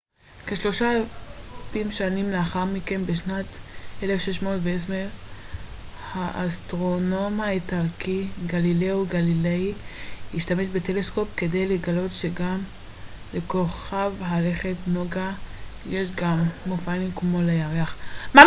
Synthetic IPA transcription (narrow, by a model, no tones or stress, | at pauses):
keʃlo̞ʃaalpimʃanimleaχaʁmike̞nbeʃnatʔelefʃeʃmoːlveesme | haʔastʁo̞no̞maetalkiɡalileuɡalileiiʃtameʃbetele̞sko̞pke̞d̪ejleɡalo̞tʃeɡam | le̞ko̞χavɦale̞χe̞tnoɡa | jeʃ̬ɡamːofanimkmo̞lejaʁeaχma